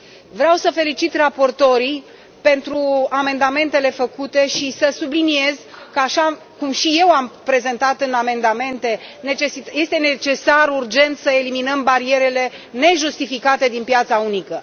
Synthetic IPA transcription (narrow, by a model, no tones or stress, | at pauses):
vɾeawsəfe̞lit͡ʃit̪rapo̞rt̪o̞ɾi | pe̞nt̪ɾuame̞nd̪ame̞nt̪e̞le̞fəkut̪e̞ʃisəsublinie̞zkəaʃa | kumʃije̞wampɾe̞ze̞nt̪at̪ɨname̞nd̪ame̞nt̪e̞ne̞t͡ʃesije̞st̪e̞ne̞t͡ʃe̞saɾurd͡ʒe̞nt̪səe̞liminəmbaɾie̞ɾe̞le̞ | ne̞ʒust̪ifikat̪e̞d̪inpjat̪saunikə